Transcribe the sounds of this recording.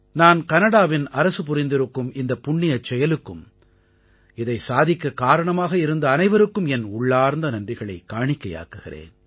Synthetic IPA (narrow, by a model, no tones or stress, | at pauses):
naːnkɐnɐɽaːʋɪnɐɾɐsɯp̬ʊrɪnd̪ɪɾɯkːɯmɪnd̪ɐpːʊɳːɪjɐt͡ʃːɛjɐlɯkːɯm | ɪðɐɪsaːðɪkːɐkaːɾɐɳɐmaːɣɐɪɾɯnd̪ɐːnɐɪʋɐɾɯkːɯmɛnʊɭːaːɾnd̪ɐnɐndrɪɣɐɭɐɪkːaːɳɪkːɐja̰ːkɯɣɪrḛːn